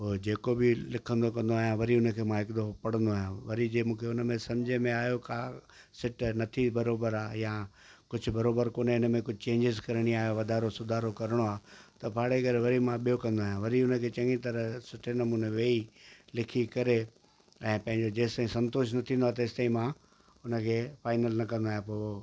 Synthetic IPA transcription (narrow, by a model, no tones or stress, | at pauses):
oːd͡ʑeːkobɪlɪkʰə̃nd̪okɐ̃n̆d̪oaːɦjãʋɐɾiʊnəkʰeːmãɦɪkd̪opɐɽ̤ə̃nd̪oaːɦjãʋɐɾid͡ʑeːmũːkʰeʊnmẽsɐ̃md͡ʑʱemẽaːɦjokaːsɪʈnɐt̪ʰibɐɾoːbəɾaːjã | kʊd͡ʑʱʊ̆bɐɾoːbəɾkoːneɪnmẽkʊd͡ʑʱɪt͡ɕẽːɲd͡ʑɪzkɐɾəɽ̃iaːɦjoʋɐd̪ʱaːɾosʊd̪ʱaːɾokɐɾɪɽ̃oaːt̪ɐpaːɽeɡəɾʋɐɾimãɓijokɐ̃nd̪oaːɦjãʋɐɾiʊnəkʰeːt͡ɕɐ̃ŋɡit̪̬ɐɾəsɪʈʰenɐmũːneʋeːilɪkʰikɐɾe | ɛ̃ːpɐ̃ɦɪ̃ɲd͡ʑod͡ʑeːsãĩsɐ̃nt̪oːʃ̬nɐt̪ʰĩːnd̪aːet̪ɐɪst̪aːĩmã | ʊnəkʰefaːɪnəlnɐkɐ̃nd̪aːjãpo